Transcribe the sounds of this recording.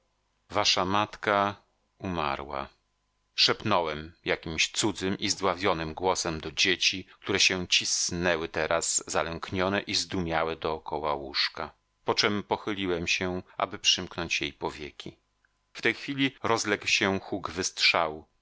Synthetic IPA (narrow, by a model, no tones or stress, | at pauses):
vaʂamat̪ka | uma̰ɾwa̰ | ʂɛpnɔwɛmjakʲimɕt̪sud̪zɘmʔizd̪wavʲjɔnɘmɡwɔsɛmd̪ɔd͡ʑet͡ɕik̚t̪uɾɛɕɛt͡ɕisnɛwɘt̪ɛɾʔazːalɛŋkɲɔnɛʔizd̪umʲjawɛd̪ɔːkɔwawuʂka | pɔt͡ʂɛmpɔxɘlʲiwɛmɕɛʔa̰bɘpʂɘmknɔɲt͡ɕjejpɔvʲjekʲi | ft̪ɛjxfʲilʲiɾʔɔzlɛkwɕɛxuɡvɘst̪ʂaw